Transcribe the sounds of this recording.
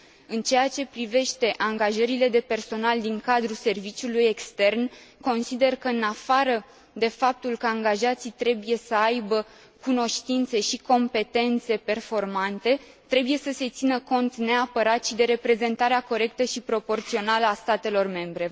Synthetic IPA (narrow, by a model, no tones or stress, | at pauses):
ɨnt͡ʃe̞jat͡ʃe̞pɾive̞ʃt̪e̞ʔaŋɡaʒəɾile̞d̪e̞pe̞rso̞nald̪iŋkad̪ɾuse̞rvit͡ʃuluje̞kst̪e̞rnko̞nsid̪e̞rkəɨnafaɾə | d̪e̞fap̚t̪ulkəaŋɡaʒat̪sit̪ɾe̞buje̞səajbə | kuno̞ʃt̪int̪se̞ʃiko̞mpe̞t̪e̞nt̪se̞pe̞rfo̞rmant̪e̞t̪ɾe̞buje̞səse̞t̪sinəko̞nt̪ne̞apəɾat̪ʃid̪e̞ɾe̞pɾe̞ze̞nt̪aɾeako̞ɾe̞k̚t̪əʃipɾo̞po̞rt̪sio̞naləast̪at̪e̞lo̞rme̞mbɾe̞